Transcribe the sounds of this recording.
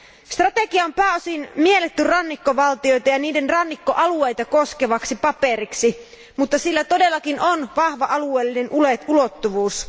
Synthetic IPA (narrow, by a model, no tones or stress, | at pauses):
st̪rɑt̪eɡiɑompæːosinmielet̪ːyrɑnːikːoʋɑlt̪io̞jt̪ɑjɑniːde̞nrɑnːikːoʔɑlue̞jt̪ɑkoske̞ʋɑksipɑpe̞ɾiksi | mut̪ːɑsilːæt̪o̞de̞lːɑkinonʋɑhʋɑʔɑlueːlːine̞nʔuleulot̪ːuʋuːs